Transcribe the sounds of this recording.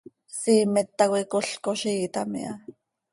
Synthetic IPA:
siːmet̪ːakʷekoɬkoʃiːt̪amḭʔa

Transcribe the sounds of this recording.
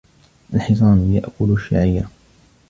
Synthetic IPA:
ʔalħɪs̬ˤɑːnjaʔkʊlʃa̰ʕiːɾ

